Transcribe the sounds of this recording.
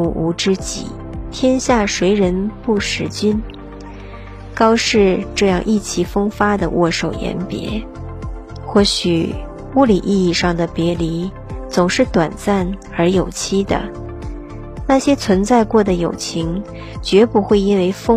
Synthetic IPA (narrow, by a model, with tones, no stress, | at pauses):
u˧˥ʔu˧˥ʈ͡ʂɻ̩˥t͡ɕḭ˨˩˦ | t̪ʰjɛ˥nɕja˥˩ʂwe˧˥ɪɻə˧˥npu˥˩ʂɻ̩˧˥t͡ɕy˥n | kɑ˥ʊʂɻ̩˥˧ʈ͡ʂɤ˥˧jɑ˥˧ŋʔi˥˩t͡ɕʰi˧˩fɤ˥ŋfa˥d̪ə˨wʔɔ̰˥˩ʂo˨˩ʊjɛ̰˧˥npjɛ̰˧˥ | xwɔ˥˩ɕy˨˩ | u˥li˨˩ʔi˥˧i˥˧ʂɑ˥˩ŋd̪ə˩pjɛ˧˥li˧˥ | t͡sʊ˨˩ŋʂɻ̩˥˩t̪wa˨˩nt͡sa˥˩n | ə˞˧˥jo˨˩ʊt͡ɕʰi˥d̪ə̰˨ | na˥˩ɕjɛ˥t͡sʰwə˧˥nt͡sa˥˧ɪkwɔ˥˩d̪ə˩jo˨˩ʊt͡ɕʰi˧˥ŋ | t͡ɕɥɛ˧˥pu˧˥xwe˥˩ɪi˥nwe˧˥˧ɪfɤ˥